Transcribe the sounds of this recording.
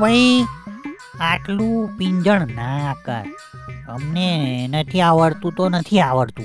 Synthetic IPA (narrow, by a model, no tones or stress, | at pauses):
bəi | aʈlũpĩɲd͡ʒəɳnakə̰ɾ | əmnenət̪ʰiaʋəɽt̪ũt̪onət̪ʰiaʋəɽt̪ũ